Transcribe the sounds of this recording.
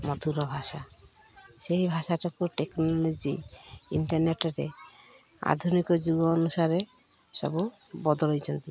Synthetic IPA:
mɔt̪ʰuɾɔbʱasa | seɦibʱaʃaʈɔkuʈeknɔlod͡ʒḭḭɳʈɔɾneʈɔɾe | a̰d̪ʱunikɔd͡ʒuɡɔːnusaɾe | sɔ̰bu | bɔd̪ɔlɦɔjt͡ʃʰɔnt̪i

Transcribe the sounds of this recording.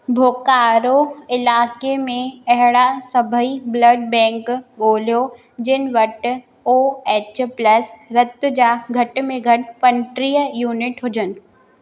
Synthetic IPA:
bʱoːkaːɾoɪlaːkemẽɐɦɪɽasɐbʱəiblɐɖ̚bɛ̃ːŋkɠoːlijod͡ʑɪnɪ̆ʋɐʈ | oːeːt͡ɕplɐsɾɐt̪ʊd͡ʑaːɡʱɐʈ̆mẽɡʱɐʈpɐɳʈɾiːəjuːnɪʈɦʊd͡ʑənɪ̆

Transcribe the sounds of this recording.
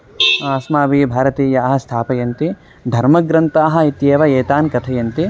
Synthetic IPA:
aːsmaːʋibʱaːɾɐt̪iːjɐːɦɐ̆st̪ʰaːpɐjɐnt̪i | d̪ʱɐɾmɐɡɾɐnt̪aːɦɐ̆it̪jeːʋɐeːt̪aːnkɐt̪ʰɐjɐnt̪i

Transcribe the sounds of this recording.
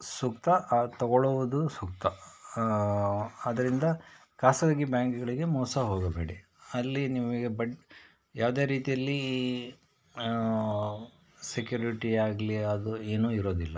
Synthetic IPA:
sukt̪ɐt̪ɐɡɔɭuʋud̪usukt̪ɐ | d̪ɐɾind̪ɐ | kaːsɐd̪aːɡibjaːŋkɡɐɭiɡe̞mɔːsɐɦoːɡɐbe̞ːɽi | ɐlːiniʋɐɡebɐʈ | jaːʋd̪e̞ːɾiːt̪ijɐlːi | sekjuːɾiʈiaːɡliɐd̪ueːnuːiɾo̞ːd̪ilːɐ

